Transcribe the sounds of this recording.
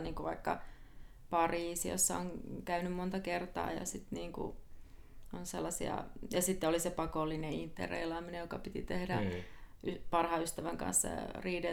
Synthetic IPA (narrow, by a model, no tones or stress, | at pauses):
niːŋkuʋɑikːɑ | pɑriːsio̰sːɑoŋkæynymmont̪ɑkert̪ɑ̰ːjɑ̰sit̪niːŋkṵ | onselːɑsiɑ̰jɑsit̪ːeolisepɑkolːineint̪ːḛrḛilɑːminejokɑpit̪it̪ehdæ̰ʔypɑrhɑyst̪æʋæŋkɑ̰̃nsːɑ̰riːde